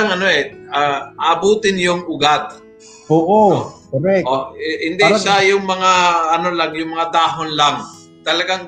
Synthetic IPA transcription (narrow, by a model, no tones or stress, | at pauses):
ŋʔɐnoʔɛʔaʔaːbuːt̪ɪnjʊŋʔʊɡat̪̚ | oːʔokoɾɛʔohɪnd̪ɪʃajʊŋmɐŋaɐnolaŋjʊŋmɐŋad̪aːɦonlaŋ | t̪ɐlɐɡaŋ